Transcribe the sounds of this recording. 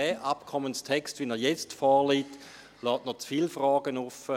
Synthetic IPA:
ɛʔapkʰɔmənstʰɛkstʋinɛjɛt͡stfɔːʁliːt | lɔːtnɔt͡sfiːlfrɑːɡ̥ənufə

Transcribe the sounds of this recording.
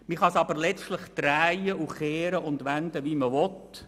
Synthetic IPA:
miχɑsɑbəɾlɛt͡stlɪχt̪ɾæjəʔuχeːɾəʔʊnd̪ʋænd̪əviməʋɔt̪

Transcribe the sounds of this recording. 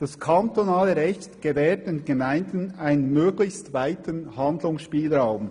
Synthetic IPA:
d̥ɑskʰant̪onaːləɾɛçtɡ̥əvɛːɹt̚denɡ̥emaɪndnaɪnənmøːɡlɪçstvaɪtənhɑnd̪lʊŋsʃpiːlɾaʊm

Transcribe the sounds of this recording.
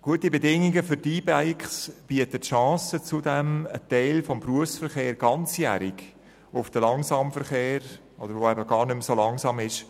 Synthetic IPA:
ɡ̥uətibɛdɪŋiɡəfʏɾdiːbæɪkχsb̥iətətʃɑ̃ːsət͡sudɛmətɛɪlfɔmpruəfsfəɾχeːɾɡ̥ɑnt͡sjæ̰ːɾik | ʊfd̥əlɑŋsɑmfəɾχeːɾ | ʔɔd̥̪əɾʋoɛbəɡ̥ɑːɾnʏmsolɑŋsɑːmɪʃ

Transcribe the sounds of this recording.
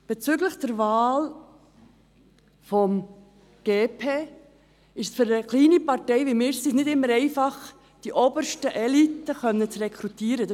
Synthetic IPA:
b̥et͡syɡləχd̥ɛɾvaːl | fɔm | ɡ̥eːpʰeː | ɪʃsfʏɾəkliːnipɑɾtɛɪvimɪːɾsisnɪdɪmːəɾɛɪfɑχ | d̥iʔɔbəɾʃtəʔɛlitːəχœnːət͡srɛkʰɾutiːəɾəd

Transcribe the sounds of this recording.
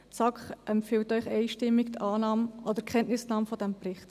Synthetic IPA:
t͡sɑkχʔɛmpfɪltœʏχɛɪʃtɪmːikt̪ʰɑːnɑːmʔɔd̪əɾkʰχɛntnɪsnɑːmfɔd̥ɛmprɪχt

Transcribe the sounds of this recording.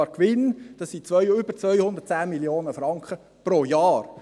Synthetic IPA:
ɾkʋɪnd̥ɑsːit͡sʋœʏʏbəɾt͡sʋœjhʊnd̪ət̚t͡sæːmiljoːnəfɾɑŋkχə | pɾoːjɑːɾ

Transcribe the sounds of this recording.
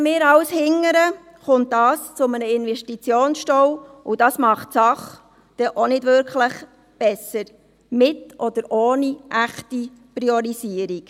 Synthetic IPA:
mɪːɾɑwshɪŋːəɾə | χʊnt̚d̥ɑːst͡sʊmənəɪnʋɛʃtit͡sjoːnsʃtɔwʊd̥ɑsmɑχtsɑχ | d̥ɛʔɔnɪdʋʏɾkχləχ | b̥ɛsəɾ | mɪtʔɔd̥əɾʔoːniʔæχti | priɔɾisiəɾik

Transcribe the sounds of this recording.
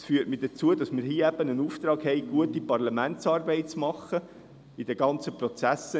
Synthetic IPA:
sfyːətmid̥ət͡suədɑsmiːɾhiːəæb̥ənənuːft̪ɾɑːɡ̥hɛɪɡ̥uətipɑrlɑmæntt͡sɑːrbɛɪt̚t͡smɑχːə | id̥əɡɑnt͡səprot͡sæsə

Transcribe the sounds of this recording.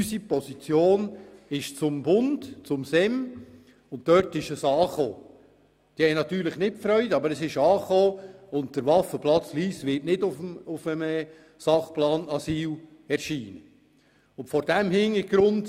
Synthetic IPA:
ysipɔsit͡sjoːnɪʃt͡sʊmbʊnd̥t͡sʊmsɛm | ʊnt̚tːœtɪʃəsɑːχoː | d̥ihɛjnɑtyːɾləχnɪt̚fɾœʏdɑbəɾəsɪʃɑːχoːʊnt̚d̥əɾvɑfəplɑt͡sliːsʋɪɾtnɪdʊfmʊfəmə | sɑχplɑːnɑsiːl | ɛɾʃiːnə | ʊntfɔɾd̥ɛmhɪniɡ̥ɾʊnd

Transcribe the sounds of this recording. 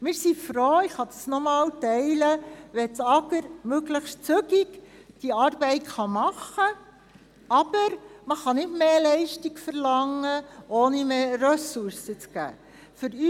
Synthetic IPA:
mɪːɾsifɾoːɪχhɑd̥̪ɑsnɔmɑːltɛɪləʋɛt͡sɑɡəɾmøɡləχʃtt͡sʉɡiɡ | d̥iɑːɾbɛɪtχɑmɑχːə | ɑb̥əɾməχɑnɪtmeːlɛɪʃtiɡfəɾlɑŋːəʔoːnimeːɾœsuɾsət͡skæ̰ː | fʏɾy

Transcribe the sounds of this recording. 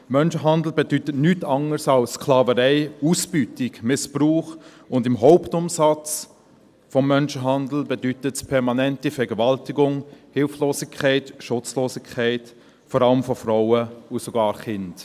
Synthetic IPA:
mœnʃəɦɑndl̩bedytətnytɑŋəɾsaʊsskʰlɑːvəɾɛɪusb̥ytɪɡmɪspruːχ | ʊndɪmɦɔʊptʊmsɑt͡s | fɔmːœnʃəɦɑndl̩bedytətspʰɛʁmɑnɛntifɛɾɡəvaltɪɡʊŋhɪlfloːsɪkʰɛɪtʃʊt͡sloːsɪkʰːɛɪt | fɔɾɑləmfɔfraʊəusoɡɑːɾχɪnd̥

